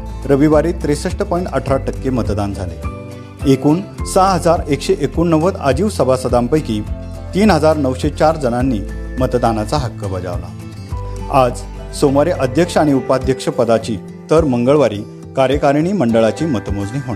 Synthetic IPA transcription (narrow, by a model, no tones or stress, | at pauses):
ɾəʋiʋaɾiːt̪ːɾesəʂʈəpɔĩɳʈəʈʰɾaʈəkːemət̪d̪and͡zʱalḛ | ekuːnsaɦəd͡zaɾekɕeʔekuːɳːəʋət̪a̰d͡ʑiːʋsəbʱasəd̪ampəjki | t̪iːnɦəd͡zaɾnəʋɕet͡ɕaɾd͡zənanːiː | mət̪d̪anat͡saɦəkːəbəd͡za̰ʋla̰ | ad͡z | soməɾeʔəd̪ʱjəkʂəaɽ̃iupad̪ʱjəkʂəpəd̪at͡ɕiː | t̪əɾməŋɡəɭʋaɾiː | kaɾjəkaɾiñiːməɳɖəɭat͡ɕiːmət̪əmod͡zniːɦoɳa